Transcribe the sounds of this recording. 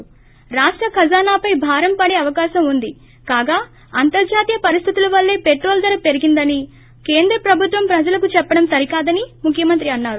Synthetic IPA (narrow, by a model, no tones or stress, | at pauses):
ɾaːʂʈɾɐkʰɐd͡ʒaːnaːpɐjbʱaːɾɐmpɐɽeːɐʋɐkaːʃɐmund̪i | kaːɡaː | ɐnt̪ɐɾd͡ʒaːt̪ijɐpɐɾist̪ʰit̪ulɐʋɐlːe̞ːpeʈɾo̞ːld̪ɐɾɐpe̞ɾiɡind̪ɐni | ke̞ːnd̪ɾɐpɾɐbʱut̪ʋɐmpɾɐd͡ʒɐlɐkut͡ʃɛpːɐɽɐmsɐɾikaːd̪ɐnimukʰːjɐmɐnt̪ɾiɐnːaːɾu